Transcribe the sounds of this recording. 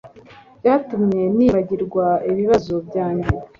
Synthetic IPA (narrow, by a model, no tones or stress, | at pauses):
jatumɲe̞niːβaɟiɾɡwaiβiβazobjaːɲɟe